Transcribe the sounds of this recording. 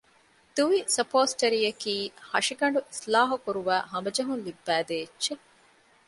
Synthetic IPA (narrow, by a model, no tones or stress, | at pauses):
d̪̥uʋisɐpoːsʈɐɾijɐkiːhɐʂiɡɐɳɖuʔislaːɦukuɾuʋæːɦɐmbɐd͡ʒɐɦunlibːæːd̪eːt͡ʃːʃe